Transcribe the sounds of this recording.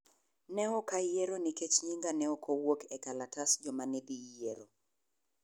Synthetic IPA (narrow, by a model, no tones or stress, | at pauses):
nɛɔkajeɾoniket͡ʃɲiŋɡanɛɔkʰowokʰɛkalatasd͡ʒɔmanedijeɾo